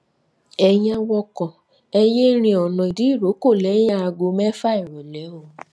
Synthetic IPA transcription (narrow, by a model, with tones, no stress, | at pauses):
ɛ˨jã˧wɔ˧kɔ˨ | ɛ˧je˦ɾ̃ĩ˧ɔ˨nɔ̃˨i˨di˨˦i˦˨ɾo˨˦ko˦˨lɛ˨˦jã˦a˧ɡo˧mɛ˦fa˦i˨ɾɔ˨lɛ˨˦o˨